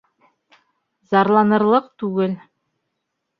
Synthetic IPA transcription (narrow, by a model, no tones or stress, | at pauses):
zɑɾlˠɑnɤ̆ɾlˠɤqt̪ʉɡɘl